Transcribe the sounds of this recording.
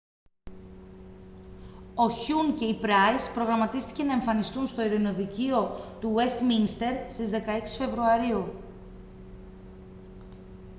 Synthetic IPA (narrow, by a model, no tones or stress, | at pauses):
o̞çuŋce̞ipɾɐjspɾo̞ɣɾɐmɐt̪ist̪i̥ce̞nɐe̞ɱfɐnist̪unst̪o̞iɾino̞ðicio̞t̪uwe̞st̪minst̪e̞ɾst̪izðe̞kɐe̞ksi̥fe̞vɾuɐɾiu